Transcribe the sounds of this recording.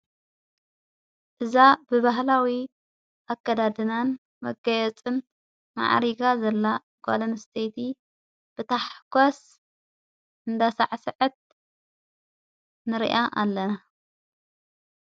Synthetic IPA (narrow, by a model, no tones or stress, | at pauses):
ʔɨzabɨβaɦlawi | ʔakːɐd̪ad̪ɨnan | mɐɡɐjɛt͡sʼɨn | ma̰ʕɾiɡazɐlːa | ɡa̰lɐnst̪ʰejt̪ʰi | b̥ɨt̪ʰaħkʷas | ʔɨnd̪asa̰ʕsɨʕɨt̪̚ | nɨɾḭʔaʔalːɐna